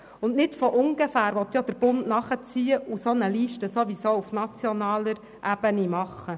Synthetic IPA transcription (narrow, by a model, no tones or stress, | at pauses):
ʊnnɪtfɔʔʊŋɡ̥əfæːɾʋɔt̪ːjɔd̥̪əɾb̥ʊntnɑχət͡siːəusonəliːʃtəsoʋisoufnɑt͡sjɔnɑːləɾ | ʔæb̥ənimɑχːə